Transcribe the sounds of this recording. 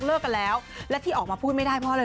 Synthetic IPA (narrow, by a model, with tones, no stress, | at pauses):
klɤː˥˩kːa˧nlɛː˦˥wlɛ˦˥t̪ʰiː˥˩ʔɔː˨˩k̚maː˧pʰuː˥˩ma˥˩jdaː˥˩jpʰɔ˦˥lɤː˧